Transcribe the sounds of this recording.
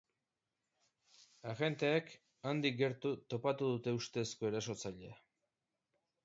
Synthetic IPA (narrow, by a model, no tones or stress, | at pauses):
aɣe̞nt̪e̞ːk | and̪ik̚ɡe̞ɾt̪ut̪o̞pat̪uðut̪e̞ust̪e̞ːsko̞e̞ɾaso̞t͡saʎea